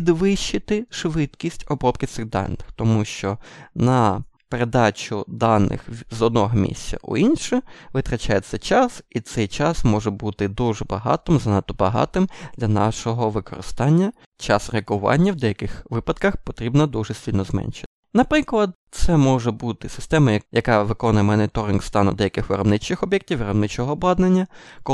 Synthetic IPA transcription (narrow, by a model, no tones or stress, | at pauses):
pʲid̪ʋɪʃɪt̪ɪʃʋɪt̪kʲisʲtʲɔbɾɔpkɪt̪sɪɣd̪ɑ̰nːɪxt̪ɔmuʃt͡ʃɔnɐpeɾed̪ɑt͡ʃʊd̪ɑnːɪ̰xzɔd̪nɔɦɔmʲḭsʲt͡sʲɐ̰ʔʊ̰inʃɛʋɪt̪ɾɐt͡ʃajɛt̪sʲɛt͡ʃɑsit̪sɛjt͡ʃɑsmɔʒɛbut̪ɪd̪uʒɛbɐɦɑ̰t̪ɔmzɐnɑt̪ːɔbɐɦɑ̰t̪ɪmd̪̥lʲɐnɑ̰ʃɔɦɔʋɪkɔ̰ɾɪ̰st̪ɑnʲːɐ | t͡ʃɑsɾeɐkʊʋɑ̰nʲːɐwd̪ɛjɐkɪxʋɪpɐd̪kɐxpɔt̪ɾʲibnɐd̪uʒɛsʲtʲilʲnɔzmɛ̰nʲʃe̥ɪnɐpɾɪklˠɐd̪̚t̪sɛmɔʒɛbut̪ɪsɪ̥st̪ɛmɐjjɐkɑʋɪkɔnʊjɛmɔnɪt̪ɔɾʲɪnɡst̪ɑnʊ̰d̪ɛjɐkɪxʋeɾɔbnɪt͡ʃɪxɔbʲjɛk̚tʲiwʋeɾɔbnɪt͡ʃɔɦɔːblˠɑd̪nenʲːɐkɔ